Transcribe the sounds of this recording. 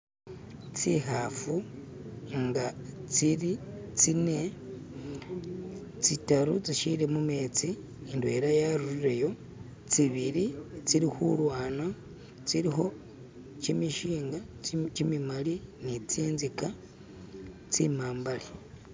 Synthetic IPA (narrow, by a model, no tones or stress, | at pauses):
t͡siɦafu | ŋɡat͡siɾit͡sine | t͡sitaɾut͡siʃiɾemume̞ːt͡siː | ndwe̞ːɾajaɾuɾiɾejo̞ | t͡siβiɾit͡siɾixulwaːna | t͡siɾiho̞ | t͡ʃimiʃiːŋɡat͡ʃimimalinit͡siːnzika | t͡simaːmbali